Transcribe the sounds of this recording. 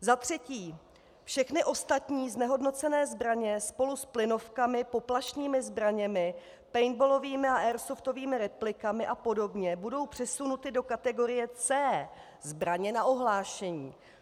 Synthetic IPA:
zat̪r̝̥ɛciː | fʃɛxnɪʔo̞st̪at̪ɲiːznɛɦo̞dno̞t͡sɛnɛːzbɾaɲɛspo̞lusplɪno̞fkamɪpo̞plaʃɲiːmɪzbɾaɲɛmɪ | pɛjnbolo̞viːmɪaʔɛːɾsoft̪o̞viːmɪɾɛplɪkamɪʔapo̞do̞bɲɛbudo̞wpr̥ɛsunut̪ɪdo̞kat̪ɛɡo̞ɾɪjɛt͡sɛː | zbɾaɲɛnaʔo̞ɦlaːʃɛɲiː

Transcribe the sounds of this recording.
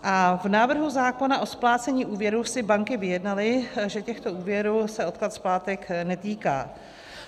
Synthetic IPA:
ʔavnaːvr̩ɦuzaːko̞naʔosplaːt͡sɛɲiːʔuːvjɛɾuːsɪbaŋkɪvɪjɛdnalɪʒɛcɛxt̪o̞ʔuːvjɛɾuːsɛo̞t̪̚klat̪splaːt̪ɛknɛt̪iːka̰ː

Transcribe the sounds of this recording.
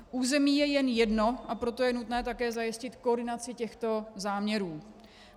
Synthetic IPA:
ʔuːzɛmiːjɛjɛnjɛdno̞ʔapɾo̞t̪o̞jɛnut̪nɛːt̪akɛːzajɪscɪt̪koːdɪnat͡sɪcɛxt̪o̞zaːmɲɛɾuː

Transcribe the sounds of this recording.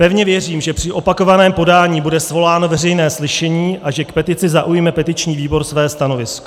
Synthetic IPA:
pɛvɲɛvjɛriːmʒɛpr̝̥ɪʔo̞pako̞vanɛːmpo̞daːɲiːbudɛsvo̞laːno̞vɛrɛjnɛːslɪʃɛɲiːʔaʒɛkpɛt̪ɪt͡sɪzaʔujmɛpɛt̪ɪt͡ʃɲiːviːbo̞ɾsvɛːst̪ano̞vɪsko̥

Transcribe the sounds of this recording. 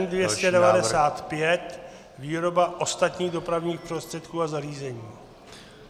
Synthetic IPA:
ndvjɛscɛdɛvadɛsaːt̪pjɛt̪ | viːɾo̞baʔo̞st̪at̪ɲiːɣdo̞pɾavɲiːxpro̞st̪r̥ɛt̪kuːazariːzɛɲiː

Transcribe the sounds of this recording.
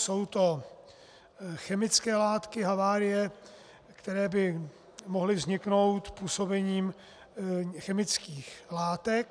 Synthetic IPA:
so̞wt̪o̞ | xɛmɪt͡skɛːlaːt̪kɪɦavaːɾɪjɛ | kt̪ɛɾɛːbɪ | mo̞ɦlɪvzɲɪkno̞wt̪puːso̞bɛɲiːm | xɛmɪt͡skiːxlaːt̪ɛk̚

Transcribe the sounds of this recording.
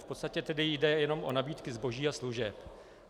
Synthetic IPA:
fpot̪st̪acɛt̪ɛdɪjdɛjɛno̞mʔo̞̰nabiːt̪kɪzbo̞ʒiːasluʒɛp

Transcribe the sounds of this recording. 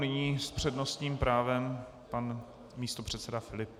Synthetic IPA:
nɪɲiːspr̝̥ɛdnost̪ɲiːmpɾaːvɛm | pan | miːst̪o̞pr̝̥ɛt̪sɛdafɪlɪp

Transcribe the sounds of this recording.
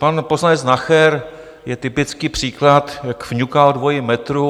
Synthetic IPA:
panpoznaɲɛznaxɛɾ | jɛt̪ɪpɪt͡skiːpr̝̥iːklat̪jakvɲukaldvo̞jɪmɛt̪ɾu

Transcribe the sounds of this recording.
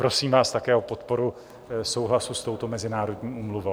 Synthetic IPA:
pɾo̞siːmvaːst̪akɛːʔopo̞t̪po̞ɾu | so̞wɦlasust̪o̞wt̪o̞mɛzɪnaːɾo̞dɲiːʔuːmluvow

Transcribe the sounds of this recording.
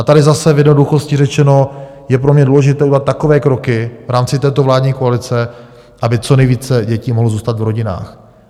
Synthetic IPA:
ʔat̪adɪzasɛvjɛdnoduxo̞scɪrɛt͡ʃɛno̞ | jɛpɾomɲɛduːlɛʒɪt̪ɛːudlat̪ːakovɛːkɾo̞kɪvɾaːmt͡sɪt̪ɛːt̪ovlaːdɲiːkoalɪt͡sɛ | ʔabɪt͡so̞nɛjviːt͡sɛɟɛciːmoɦlozuːst̪at̪vɾo̞ɟɪna̰ːx

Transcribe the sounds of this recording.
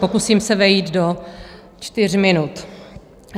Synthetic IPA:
pokusiːmsɛvɛjiːd̪do | t͡ʃt̪ɪr̝mɪnut̪

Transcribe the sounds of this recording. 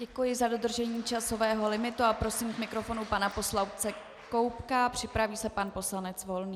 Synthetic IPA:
ɟɛkujɪzado̞d̪r̩ʒɛɲiːt͡ʃaso̞vɛːɦo̞lɪmɪt̪uapɾo̞siːmkmɪkɾo̞fo̞nupanapo̞slawpt͡sɛ | ko̞wpkapr̥ɪpɾaviːsɛpanpo̞slanɛt͡svo̞lniː

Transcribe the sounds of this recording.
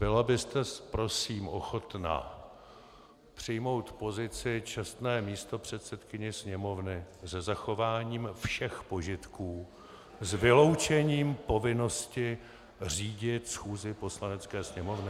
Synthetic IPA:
bɪlabɪst̪ɛspɾo̞siːmʔo̞̰xo̞t̪na̰ | pr̝̥ɪjmo̞wt̪po̞zɪt͡sɪt͡ʃɛst̪nɛːmiːst̪o̞pr̝̥ɛt̪sɛt̪kɪɲɛsɲɛmo̞vnɪzɛzaxo̞vaːɲiːmfʃɛxpo̞ʒɪt̪kuː | zvɪlo̞wt͡ʃɛɲiːmpo̞vɪno̞scɪ | r̝iːɟɪt̪sxuːzɪpo̞slanɛt͡skɛːsɲɛmo̞vnɪ

